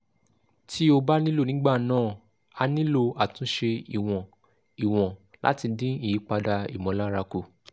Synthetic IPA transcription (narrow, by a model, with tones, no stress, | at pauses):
tʰi˦o˧ba˦nĩ˦lo˦˨nĩ˨˦ɡ͡ba˦˨nãː˦˨ | a˧nĩ˦lo˧a˨tũ˨˦ʃe˧i˨w̃ɔ̃˨ | i˨w̃ɔ̃˨la̰˦ti˧dĩ˦i˦˨ji˨˦k͡pa˧da˧ḭ˨mɔ̃˨˦la˦ɾa˧ku˦˨